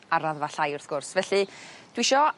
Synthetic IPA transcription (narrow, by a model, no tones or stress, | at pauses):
aɾaðvaɬajʊrθɡ̥ʊrsvɛɬɨd̥wɪʃɔ